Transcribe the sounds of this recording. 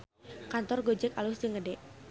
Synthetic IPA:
kant̪ɔrɡod͡ʒɛkalʊsd͡ʒəŋədɛʔ

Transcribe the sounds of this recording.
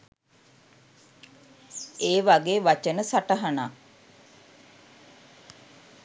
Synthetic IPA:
eːʋaɡeːʋat͡ʃənəsaʈəɦana

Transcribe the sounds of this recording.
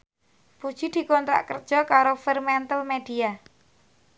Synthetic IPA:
pud̥ʒ̥id̪̥i̤kɔnt̪ɾa̰ʔkərd̥ʒ̥ɔ̤kaɾofirmɛnt̪əlmed̪̥ia

